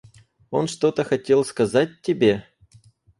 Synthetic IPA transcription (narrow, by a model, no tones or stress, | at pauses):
o̞nʂt̪o̞t̪əxɐtʲe̞lˠskɐzat̚ʲtʲːɪbʲe̞